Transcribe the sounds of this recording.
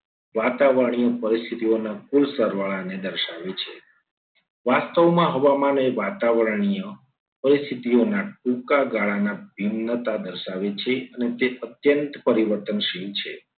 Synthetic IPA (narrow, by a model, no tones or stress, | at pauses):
ʋat̪aʋəɾɳ̃ijəpəɾist̪ʰit̪ionakulsəɾʋaɭaned̪əɾʃaʋet͡ʃʰe | ʋast̪əʋmãɦəʋamaneʋat̪aʋəɾɳijə | pəɾist̪ʰit̪ionaʈũkaɡaɭanabʱimnət̪ad̪əɾʃaʋet͡ʃʰeənet̪eət̪jənt̪pəɾiʋəɾt̪ənʃiɦt͡ʃʰe